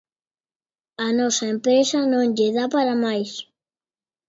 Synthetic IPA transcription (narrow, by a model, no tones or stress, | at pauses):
ɐnɔsɐempɾesɐnõŋʎeðapaɾamajs